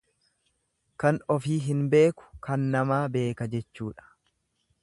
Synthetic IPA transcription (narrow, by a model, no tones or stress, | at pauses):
kɐnɔfiːɦɪnbe̞ːkʊ̥kɐnːɐmaːbe̞ːkɐd͡ʒɛt͡ʃːuːᶑɐ̥